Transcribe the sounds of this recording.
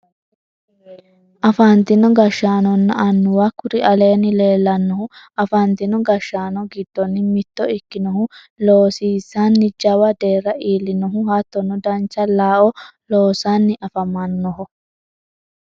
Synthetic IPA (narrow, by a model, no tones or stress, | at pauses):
ʔɐfant̪ɪnɔɡɐʃːaːnɔnːɐʔɐnːʊwɐkːʊɾɪʔɐle̞ːnːɪle̞ːlːɐnːɔhʊɐfɐnt̪ɪnɔɡɐʃːaːnɔɡɪd̪ːɔnːɪmɪt̪ːɔɪkːɪnɔhʊ | loːsiːsːanːɪd͡ʒɐwɐd̪e̞ːɾːɐʔiːlːɪnɔɦʊhɐt̪ːɔnːɔd̪ɐnt͡ʃːɐlaːʔɔloːsanːɪʔɐfɐmɐnːɔɦɔ